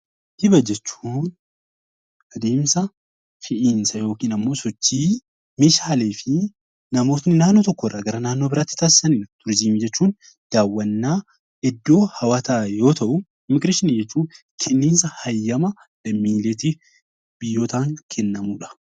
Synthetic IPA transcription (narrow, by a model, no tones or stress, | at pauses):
h̪ɪbɐd͡ʒɛt͡ʃːuːn | ʔɐd̪e̞ːmsɐ | fɪʔiːnsɐjo̞ːkiːnɐmːo̞ːsɔt͡ʃːiː | meːʃaːleːfɪ | nɐmo̞ːt̪nɪnaːnːot̪ɔkːɔɪrːɐɡɐɾɐnaːnːo̞ːbɪɾaːt̪ːɪ̥t̪aːsɪ̥sɐnɪnɐt̪ʊɾd͡ʒiːmd͡ʒɛt͡ʃːuːn | d̪̥aːwːɐnːaː | ɛd̪ːo̞ːhɐwaːt̪ajo̞ːt̪ɐʔʊ | ɪmɪɡɾeʃɪniːd͡ʒɛt͡ʃːuː | kʰɛnːiːnsɐhɐjːɐmɐ | lɐmːiːleːt̪ɪ | b̥ɪjːoːt̪aːŋkʰɛnːɐmuᶑɐ̥